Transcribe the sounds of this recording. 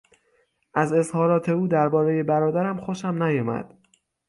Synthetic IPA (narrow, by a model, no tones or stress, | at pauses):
ʔæze̞zhɒːɾɒːt̪ʰe̞uːd̪æɾbɒːɾejebæɾɒːd̪æɾæmxoʃæmnæjɒːmæ̰d̪̥